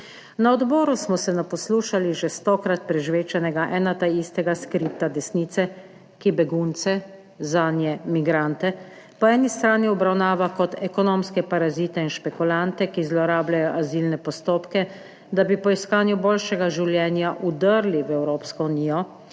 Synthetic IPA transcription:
naɔd̪bɔːɾusmɔsɛnapɔsluːʃaliʒɛst̪ɔkɾat̪̚pɾɛʒʋeːt͡ʃɛnɛɡaʔɛːnat̪aist̪ɛɡaskɾiːp̚t̪ad̪ɛsniːt̪sɛ | kibɛɡunt̪sɛ | zaːnjɛmiɡɾant̪ɛ | pɔɛːnist̪ɾaːniɔbɾawnaːʋakɔt̪ʰɛkɔnoːmskɛpaɾazit̪ɛinʃpɛkulant̪ɛkizlɔɾaːblajɔʔazilnɛpɔst̪oːpkɛ | d̪abipɔiskaːnjuboːlʃɛɡaʒiwljɛːnjaʔud̪əɾliwɛwɾoːpskɔuniːjɔ

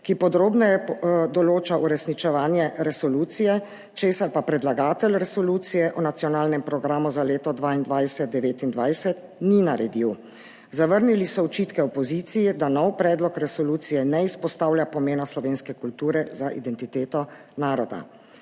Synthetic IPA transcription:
kipɔd̪ɾoːbnɛjɛd̪ɔloːt͡ʃauɾɛsnit͡ʃɛʋaːnjɛɾɛsɔluːt̪sijɛ | t͡ʃeːsaɾpapɾɛd̪laɡaːt̪ɛlɾɛsɔluːt̪sijɛʔɔnat̪siɔnaːlnɛmpɾɔɡɾaːmuzaleːt̪ɔd̪ʋaːind̪ʋajsɛt̪̚d̪ɛʋeːt̪ind̪ʋajsɛt̪̚ | ninaɾɛd̪iw | zaʋəɾnilisɔɔt͡ʃiːt̪kɛɔpɔziːt̪sijid̪anɔwpɾɛːd̪lɔkɾɛsɔluːt̪sijɛnɛispɔst̪aːwljapɔmeːnaslɔʋeːnskɛkult̪uːɾɛzaʔḭd̪ɛnt̪it̪eːt̪ɔ | naːɾɔd̪a̰

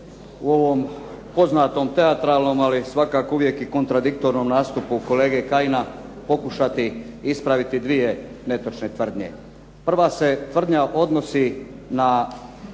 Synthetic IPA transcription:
uo̞ʋo̞ːm | po̞znaːt̪o̞ːmt̪e̞at̪ɾaːlˠno̞ːmalisʋakaːkouʋjekiko̞nt̪ɾad̪ik̚t̪o̞ɾno̞mnaːst̪upuko̞le̞ːɡekaina | po̞kuʃat̪i | ispɾaʋit̪id̪ʋije̞ | ne̞t̪ot͡ʃnet̪ʋr̩d̪ɲe̞̰ | pr̩ʋase̞t̪ʋr̩d̪ɲaʔo̞d̪no̞sina

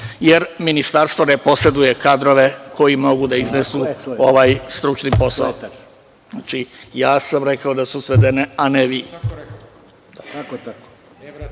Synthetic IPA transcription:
jeɾminist̪aɾst̪vo̞ne̞po̞se̞d̪uje̞kad̪ɾoʋe̞kʰo̞jimo̞ɡud̪aiznesuo̞ʋaːjst̪ɾut͡ʃnipo̞sa̰o | at͡ʃijaːsamɾe̞kaod̪asusʋe̞d̪eneaneʋi

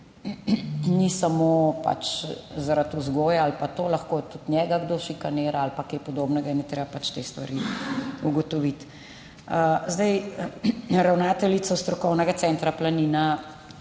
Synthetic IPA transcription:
nisamopa̰t͡ʃzaɾat̪uzɡoːjaalpat̪oːlaxkot̪ut̪njɛːɡaɡd̪oːʃikaneːɾaalpakeːpɔd̪oːbnɛɡainɛt̪ɾebapat͡ʃt̪eːst̪ʋa̰ɾiuɡɔt̪ɔʋit̪ | əzd̪ɛj | ɾawnaːt̪ɛlit̪sɔst̪ɾɔkɔwnɛɡat̪sɛnt̪ɾaplaniːna

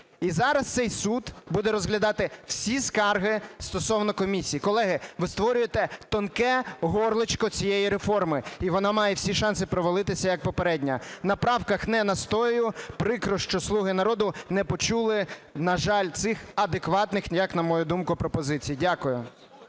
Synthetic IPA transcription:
izɑɾɐst̪sɛjsud̪bud̪ɛɾɔzɦlʲɐd̪ɑt̪ɪw̥sʲiskɑrɦɪst̪ɔsɔwnɔkɔmʲisʲijikɔlˠɛɦɪʋɪst̪ʋɔɾʲʊjet̪ɛt̪ɔnkɛɦɔrlˠɪt͡ʃkɔt͡sʲijejiɾefɔrmɪiʋɔnɑmɑjɛwsʲiʃɑnsɪpɾɔʋɔlˠɪt̪ɪsʲɐjɐk̚pɔpeɾɛdʲnʲɐnɐpɾɑwkɐxnɛnɐst̪ɔjʊpɾɪkɾɔʃt͡ʃɔslˠuɦɪnɐɾɔd̪ʊnɛpɔt͡ʃulˠɪnɐʒɑlʲt̪sɪxɐd̪ekʋɑt̪nɪxjɐknɐmɔjud̪umkʊpɾɔpɔzɪt͡sʲijidʲakʊjʊ

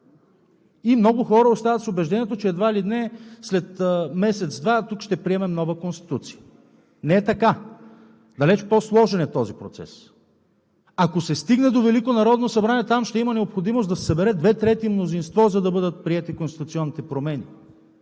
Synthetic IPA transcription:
imnɔɡʊxɔɾəost̪avət̪sobɛʒd̪ɛniɛt̪ot͡ʃɛːd̪vailid̪nɛslɛt̪ːmɛsɛt̪zd̪vat̪ukʃt̪ɛpɾiɛmɛmnɔvəkonst̪i̥t̪ut̪si̥ə | nɛɛt̪ɐka | d̪ɐlɛt͡ʃposlˠɔʒɛnɛt̪ɔzipɾot̪sɛ̰s | akosɛst̪iɡnɛd̪ovɛlikonɐɾɔd̪nosɐbɾaniɛt̪amʃt̪ɛimənɛopxod̪imosd̪ɐsɛ̥sɐbɛɾɛd̪vɛt̪ɾɛt̪imnozinst̪vɔzɐd̪ɐbɤd̪ət̪̚pɾiɛt̪ikonst̪it̪ʊt̪siɔnːit̪ɛpɾomɛni

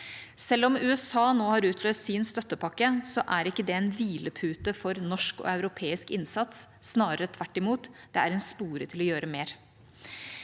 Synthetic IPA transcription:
sɛlːɔmʉːɛsɑːnoːhɑɾʉːt̪ʰløːst̪sɪnst̪œt̪ːəpɑkːəsɔʔæɾɪkːəd̪ɛeːnʋiːləpʰʉːt̪əfɔɾnɔʂkɔ̰ɑʉɾʊpʰeːɪskɪnsɑt̪sːnɑːɾəɾət̪ʰʋæʈːɪmuːt̪d̪̥ɛæɾɛnspuːɾət̪ʰɪlɔjøːɾəmeːɾ

